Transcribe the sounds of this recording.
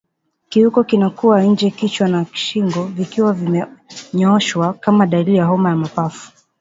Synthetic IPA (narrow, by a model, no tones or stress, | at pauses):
kiukɔkinakuwaɲ̩d͡ʒɛkit͡ʃwanaki̥ʃiŋɡɔvikiwavimɛɲɔʃwakamaɗalijaɦɔmajamapafu̥